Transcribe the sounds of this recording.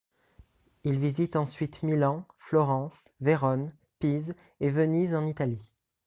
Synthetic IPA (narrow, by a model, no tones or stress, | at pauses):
ilvizit̪ɑ̃sɥit̪milɑ̃flɔʁɑ̃s | veʁɔn | piz | evənizɑ̃nit̪ali